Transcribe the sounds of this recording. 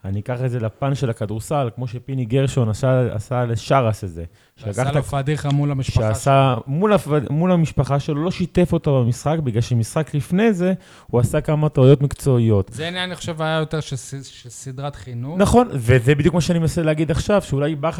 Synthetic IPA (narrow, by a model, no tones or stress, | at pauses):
anikaχedze̞lapanʃe̞lakad̪uʁsalkmo̞ʃepiniɡeʁʃonasaa̰saleʃaʁaseze̞ | ʃeakaχt̪aad̪iχamulamiʃʃeasamulafadmulamiʃpaχaʃelolo̞ʃit̪e̞fo̞t̪abamisχakbiɡlalʃemisχaklifne̞ze̞ | huasakamat̪oajo̞t̪mikt͡so̞ijo̞t̪enaaniχo̥ʃevajajo̞teʁʃeʃesid̪ʁat̪χinunaχo̞nvezebid̪jukmaʃeanimnaseleaɡid̪aχʃavʃeulajba